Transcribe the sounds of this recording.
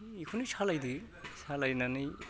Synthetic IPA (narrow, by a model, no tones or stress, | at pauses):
ikʰunisʰalajdi | sʰalajnanij